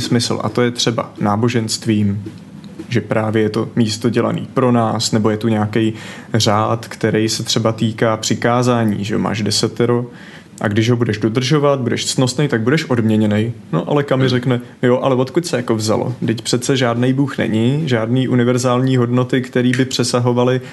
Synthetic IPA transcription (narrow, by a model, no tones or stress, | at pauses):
smɪsl̩ʔa̰t̪o̞jɛt̪r̝̥ɛba̰naːbo̞ʒɛnst̪viːm | ʒɛpɾaːvjɛjɛt̪o̞miːst̪o̞ɟɛla̰nḭːpɾo̞naːsnɛbo̞jɛt̪uɲaːkɛjr̝aːt̪kt̪ɛɾɛjsɛt̪r̝̥ɛbat̪iːkaːpr̝̥ɪkaːzaːɲiːʒɛo̰ma̰ːʒdɛsɛt̪ɛɾo | ʔa̰ɡdɪʒɦo̞budɛʒdo̞d̪r̩ʒo̞vat̪̚budɛʃsno̞snɛjt̪aɡ̚budɛʃʔo̞dmɲɛɲɛnɛjno̰ʔalɛkamɪrɛknɛjoʔalɛvo̞t̪kucsɛjako̞vza̰lo̰dɪcpr̥ɛt̪t͡sɛʒaːdnejbuːxnɛ̰ɲɪʒaːdniːʔunɪvɛɾzaːlɲiːɦo̞dno̞t̪ɪkt̪ɛɾiːbɪpr̝̥ɛsaɦo̞valɪ